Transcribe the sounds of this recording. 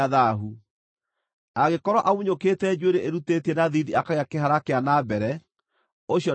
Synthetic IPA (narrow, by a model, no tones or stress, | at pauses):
ðaɦu | aɣekɔɾɔʔamuɲoketɛd͡ʒueɾeʔeɾutetiɛnaðiðiakaɣeakeɦaɾakeanabɛɾɛ | oɕjɔ